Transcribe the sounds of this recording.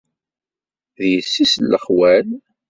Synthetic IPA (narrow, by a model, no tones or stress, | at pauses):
ðjəsːislːəχwæl